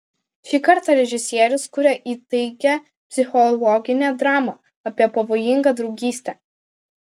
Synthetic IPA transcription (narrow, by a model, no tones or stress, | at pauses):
ʃʲiːkɐɾt̪ɐɾʲɛʒʲɪsʲiɛɾʲʊskʊɾʲɛʔiːt̪ɐɪkʲɛ | pʲsʲɪxɔlˠɔɡʲɪnʲed̪ɾɑːmɐ | ɐpʲiɛpɐʋoːjɪŋɡɐd̪ɾɒʊɡʲiːsʲt̪ʲɛ